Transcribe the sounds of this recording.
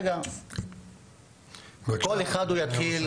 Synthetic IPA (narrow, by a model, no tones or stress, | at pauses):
ɡa | bekoleχad̪ujat̪χil